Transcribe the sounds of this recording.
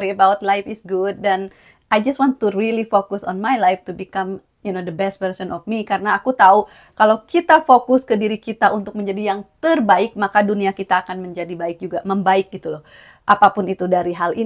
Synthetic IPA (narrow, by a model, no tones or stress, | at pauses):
ɾiəbawt̪lajfɪsɡud̚ːan | ajd͡ʒast̚wãnt̪ːurilifokʊsɔ̰nmajlajft̪ubikam | junodəbɛst̚vəɾsɔnɔfmikaɾənaːkut̪au | kalawkit̪afokʊskədiɾikit̪aʔunt̪ʊk̚məɲd͡ʒadijaŋt̪ərbaɪk̚makaduniakit̪aːkanməɲd͡ʒadibaɪk̚d͡ʒuɡaməmbaɪk̚ɡit̪ulɔh | ʔapapʊnit̪udaɾiɦali